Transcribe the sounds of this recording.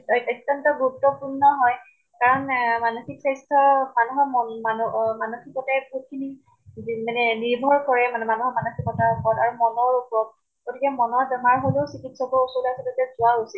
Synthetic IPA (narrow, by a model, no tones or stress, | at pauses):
ɔjtːɔntɔɡuuk̚tɔpuɹnɔɦɔj | kaɹɔnmanoxiksajstʰɔmanɔɦɔmɔanmanoxikɔtɛbɦut̚kʰini | manɛniɹbʱɔɹkɔɹɛmanɛmanɔɦɔmanoxikɔtaɹpɔtaɹumɔnɔɹopɔt̚ | ɡ̥otʰikɛmɔnɔɹdɔɦaɹɦolosikitsɔkɔusolasɔdotazʊwaɦosil